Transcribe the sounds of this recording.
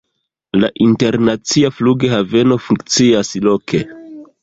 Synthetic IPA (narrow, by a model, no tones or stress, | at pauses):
laʔinte̞ɾnat͡siafluɡe̞have̞no̞fuŋkt͡siaslo̞kʰe̞